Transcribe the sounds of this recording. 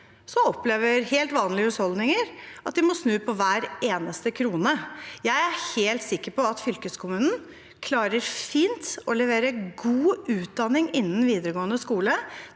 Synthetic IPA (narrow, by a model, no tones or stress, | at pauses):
sɔɔpleːʋəɾheːlt̪ʋɑːnlɪəhʉshɔld̪nɪŋəɾʔɑt̪̚d̪ɪmɔsnʉːpʰɔʋæːɾeːnəst̪əkʰɾuːnəjæɪæheːlt̪sɪkːəɾpɔɑt̪fʏlkəskʰʊmʉːnn̩ | kʰlɑːɾəɾfiːnt̪ɔlɛʋeːɾəɡuːʉːt̪̚d̪ɑnɪŋɪnːn̩ʋiːd̪əɾəɡoːənəskuːlə